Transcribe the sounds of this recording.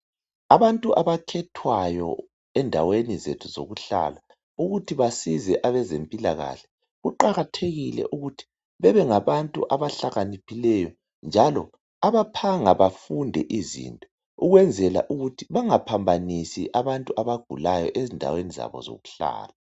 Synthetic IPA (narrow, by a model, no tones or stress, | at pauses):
aβantʼuʔaβakʰɛtʰwajɔ̰ | ɛndʱa̰wenizetʰuzo̰ɣuɬa̰la | uɣutʰiβasizɛʔaβɛzempʼilaɣa̰ɬɛ̥ | ɣuǃaɣatʰeɣilɛ̰ʔuɣutʰi̥ | βɛβɛŋaβantʼṵʔaβaɬaɣanipʰilɛjɔ | nd͡ʒʱalɔ | aβapʰaŋaβafundʱɛʔizḭntʼɔ | uɣwɛnd͡zʱɛla̰ʔuɣutʰiβaŋapʰambʱanisiʔaβantʼuʔaβaɡ̥ʱulajɔʔezindʱa̰weniza̰βɔ̰zo̰ɣuɬa̰ːla